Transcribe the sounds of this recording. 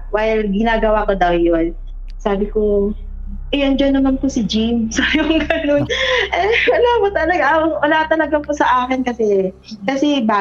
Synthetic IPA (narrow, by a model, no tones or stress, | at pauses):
wajlɡɪnaːɡɐwaːkod̪ɐwjon | saːbɪko | ʔɛjond͡ʒɐnːɐmɐnkosɪd͡ʒimsɐjʊŋɡɐnonʔɛwɐlamot̪ɐlɐɡaʔʔɐlaːt̪ɐlɐɡɐpʊsɐʔaːkɪnkɐsɛ | kɐsɛbaː